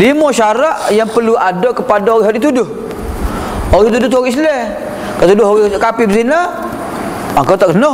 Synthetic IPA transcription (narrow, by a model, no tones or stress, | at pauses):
limɔʃaɾaʔjaŋpərluadaʔkəpadaoɣiɦadit̪udʊh | oɣit̪udʊht̪oɣis̬lɛ | kat̪udʊɦoɣikapibəsina | akawt̪aʔknɔ